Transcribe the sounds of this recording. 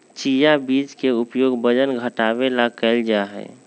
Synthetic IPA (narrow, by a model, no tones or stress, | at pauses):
t͡ʃijabit͡ʃkeupjoɡbəd͡ʒənɡʱəʈabelakɛɪld͡ʒaɦɛ̰